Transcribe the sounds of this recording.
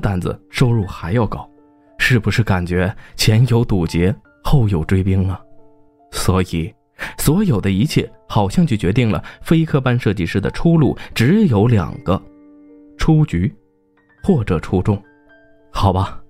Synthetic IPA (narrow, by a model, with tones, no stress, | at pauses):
t̪a˥˩nd͡z̩̰˩ʂo˥ʊɻu˥˩xa˧˥ɪjɑ˥˩˧ʊkɑ˨˩˦ʊ | ʂɻ̩˥˩bu˧˩ʂɻ̩˥˩ka˨˩nt͡ɕɥɛ˧˥t͡ɕʰjɛ˧˥njo˧˥ʊt̪u˨˩t͡ɕjɛ˧˥ | xo˥˩ʊjo˨˩ʊʈ͡ʂwe˥ɪp̬i˥ŋɐ˨ | swɔ˧˥i˨˩ | swɔ˧˥jo˨˩ʊd̪ə˦i˧˥t͡ɕʰjɛ̰˥˩xɑ˨˩ʊɕjɑ˥˧ŋt͡ɕʰy˥˩t͡ɕɥɛ˧˥t̪i˥˩ŋlə̰˩fe˥ɪkʰɤ˥˧˩pa˥nʂɤ˥˧t͡ɕi˥˧ʂɻ̩˥˩d̪ə̰˩ʈ͡ʂʰu˥lu˥˩ʈ͡ʂɻ̩˧˥jo˧˥ʊljɑ̰˨˩ŋɡ̥ə˦ | ʈ͡ʂʰu˥t͡ɕy˧˥ | xwɔ˥˩ʈ͡ʂɤ˨˩ʈ͡ʂʰu˥ʈ͡ʂʊ˥˩ŋ | xɑ˨˩ʊbɐ˦